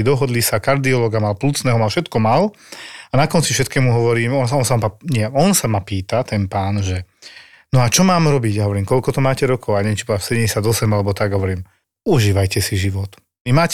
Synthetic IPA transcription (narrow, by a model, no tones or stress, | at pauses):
id̪ɔɦɔd̪lisakaɾd̪iɔlɔːɡamalpluːt͡snɛːɦɔmafʃɛt̪kɔmal | anakɔnt͡sifʃɛt̪kɛːmuɦɔʋɔɾiːmɔnɔnsaamaɲɪɛɔnsamapiːt̪at̪ɛnpaːnʒɛ | nɔat͡ʃɔmaːmɾɔbiɟaɦɔʋɔɾiːmkɔlkɔt̪ɔmaːcɛɾɔkʰɔʊaɲɛmt͡ʃibɔlasɛdɛɟɛsjad̪ɔsɛmalɛbɔt̪aɡɦɔʋɔɾiːm | uʒiːʋajcɛsiʒiʋɔt̪ | imaːc